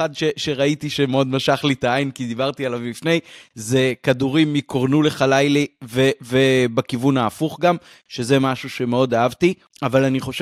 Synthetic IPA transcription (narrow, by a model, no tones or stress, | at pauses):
adʃeʃe̞ʁait̪iʃemeo̞d̪maʃaχlit̪aajinkid̪ibaʁt̪ialavmifne̞jze̞kaduʁimːikoʁnule̞χalajlivevebakivunaːfuχɡam | ʃe̞ze̞maʃuʃe̞me̞o̞d̪aavti | avalaniχo̞ʃ